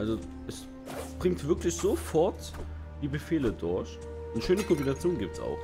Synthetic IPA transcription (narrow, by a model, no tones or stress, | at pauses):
ʔalzo | ʔɛs | b̥ʁɪŋtv̥ɪɐklɪçz̥ofɔɐt | d̥iːbəfeːlədʊɐç | nəʃøːnəkʰɔmbinat͡sjoːnɡiːp̚tsa̰ʊx